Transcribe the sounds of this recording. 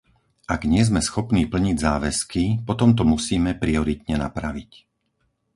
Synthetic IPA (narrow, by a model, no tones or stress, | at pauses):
ʔaɡɲɪɛzmɛsxɔpniːpl̩ɲiɟzaːʋɛskipɔt̪ɔmt̪ɔmusiːmɛpɾiɔɾit̪̚ɲɛna̰pɾaʋic